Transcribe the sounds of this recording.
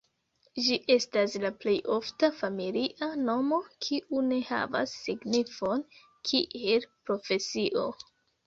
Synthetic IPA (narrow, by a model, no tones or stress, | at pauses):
d͡ʒiʔe̞staslaple̞jʔo̞ftafamiliʔano̞mo̞kʰiʔune̞ha̰va̰sːiɡnifo̞n | kʰiʔe̞lpɾo̞fe̞siʔo̞̰